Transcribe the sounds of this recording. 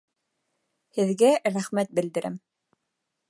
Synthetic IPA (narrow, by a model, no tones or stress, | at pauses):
hɘ̆ðɡæɾæχmæt̪̚bɘ̆ld̪ɘ̆ɾʔæ̰m